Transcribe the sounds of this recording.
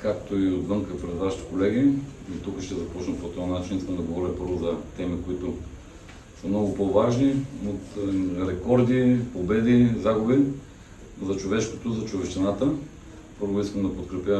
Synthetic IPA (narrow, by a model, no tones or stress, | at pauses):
kakt̪oiod̪vɤŋkəpɾɛd̪vaʃi̥t̪i̥kolɛɡiit̪ukəʃt̪ɛzɐpɔt͡ʃnɐpoɛt̪ɔnat͡ʃiniskəmd̪ɐɡovɔɾʲəpɤɾvozɐt̪ɛmikoit̪o | səmnɔɡʊpovaʒniot̪ɾɛkɔɾd̪ipobɛd̪izaɡʊbi | zɐt͡ʃovɛʃko̥t̪ozɐt͡ʃovɛʃt̪ɛnat̪ə | pɤɾvʊiskəmd̪ɐpot̪kɾɛpʲjə